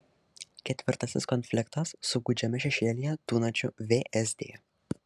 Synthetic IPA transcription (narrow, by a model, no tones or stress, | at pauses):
kʲɛt̪ʲʋʲɪɾt̪ɐsʲɪskɔnʲfʲlʲɪkt̪ɐsːʊɡud͡ʒʲɛmʲɛʃʲɛʃʲeːlʲijɛt̪uːnɐt͡ʃʲʊʋʲeːʔɛsd̪ʲḛː